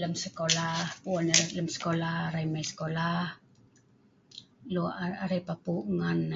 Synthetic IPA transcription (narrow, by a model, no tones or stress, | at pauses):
ləmsəkolahpuɔnəɾɛt̪̚ləmsə̥kolahɾaimasə̥kolah | luʔaɾɛpapuʔŋan